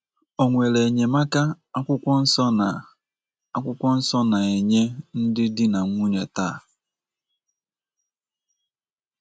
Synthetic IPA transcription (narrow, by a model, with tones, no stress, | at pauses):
o˨ŋʷe˨le˨ɲe˨ma˦ka˦ | a˦kʷʊ˦kʷɔ˦n̩˦sɔ˦n˨ | a˦kʷʊ˦kʷɔ˦n̩˦sɔ˦na˨e˨ɲe˦n̩˦dɪ˦dɪ˦na˨ŋʷu˦ɲe˨ta̰˦˨